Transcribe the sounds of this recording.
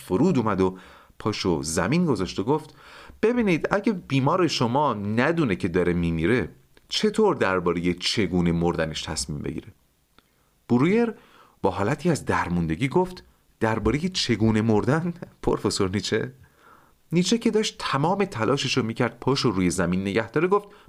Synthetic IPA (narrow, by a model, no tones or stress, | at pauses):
foɾuːd̪uːmæd̪o | pʰɒːʃo̰zæmiːnɡo̞zɒːʃt̪oɡoft̪b̥ebiːniːd̪æɟæb̥iːmɒːɾe̞ʃomɒːnæd̪une̞cʰe̞d̪ɒːɾe̞miːmiːɾe̞ | t͡ʃʰe̞t̪ʰoːɾd̪æɾbɒːɾe̞je̞t͡ʃʰe̞ɡuːne̞moɾd̪æne̞ʃt̪ʰæsmiːmbe̞̰ɟḭːɾe | b̥uɾuje̞ɾ | b̥ɒːɦɒːlæt̪ʰiːæzd̪æɾmund̪e̞ɟiːɡoft̪ | d̪̥æɾbɒːɾe̞je̞t͡ʃʰe̞ɡuːne̞moɾd̪ænpʰoɾfo̞so̞ɾniːt͡ʃʰḛ | niːt͡ʃʰe̞cʰe̞d̪ɒːʃt̪ʰːæmɒːme̞t̪ʰælʔɒːʃeʃomiːcʰæɾd̪̥̚pʰɒːʃoɾuːje̞zæmiːnːe̞ɟæhd̪ɒːɾeɡoft̪̚